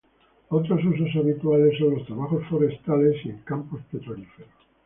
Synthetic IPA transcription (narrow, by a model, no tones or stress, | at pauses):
ot̪ɾos̬us̬us̬aβit̪wale̞sːo̞nlo̞st̪ɾaβaχo̞sfoɾest̪ale̞sieŋkampospet̪ɾolifeɾos